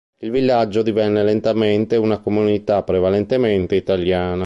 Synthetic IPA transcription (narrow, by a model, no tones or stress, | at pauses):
ilvilːad͡ʒːod̪ivɛnːelent̪ament̪eunakomunit̪apːɾevalent̪ement̪eit̪aljaːna